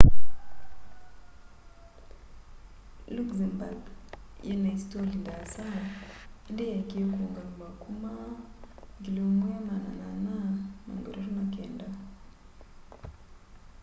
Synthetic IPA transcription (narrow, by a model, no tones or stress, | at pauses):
lukzamba̰ɡjɛnaistɔlindasa | ndejakikɔŋɡaŋbakuma | ŋɡilɔmɔjamanananama̰ŋɡɔ̰ɾɔɾunakɛnda